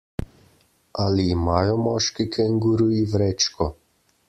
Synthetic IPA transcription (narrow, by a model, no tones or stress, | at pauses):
ʔaliːmaːjɔmɔːʃkikʰɛŋɡuɾuivɾɛt͡ʃkɔ